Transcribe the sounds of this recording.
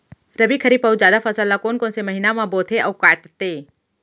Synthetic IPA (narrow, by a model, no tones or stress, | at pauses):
ɾəbikʰəɾiːpəud͡ʒjaːd̪afʰəsəlːakoːnkõːnseməɦinamãboːt̪ʰeʔɐːwkaːʈt̪eː